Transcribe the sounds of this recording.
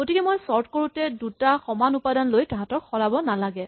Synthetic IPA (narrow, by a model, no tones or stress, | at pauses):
ɡ̥otikɛmojsɔɹtkoɹutɛdutaxɔmanupadanlojtaɦatɔkxɔɹabɔnalaɡɛ